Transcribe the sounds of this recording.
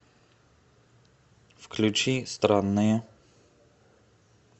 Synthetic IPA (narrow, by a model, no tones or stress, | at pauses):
fklʲut͡ʃist̪ɾanːɨjə